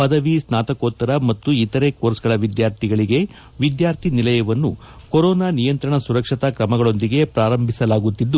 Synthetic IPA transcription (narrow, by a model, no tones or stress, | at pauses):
pɐd̪ɐʋisnaːt̪ɐkoːt̪ːɐɾɐmɐt̪ːuit̪ɐɾe̞koːɾsɡɐɭɐʋid̪jaːɾt̪ʰiɡɐɭiɡe̞ | ʋid̪jaːɾt̪ʰinilɐjɐʋɐnːu | koɾoːnaːnijɐnt̪ɾɐɳɐsuɾɐkʂit̪ɐkɾɐmɐɡɐɭo̞nd̪iɡe̞pɾaːɾɐmbʱisɐlaːɡut̪ːid̪ːu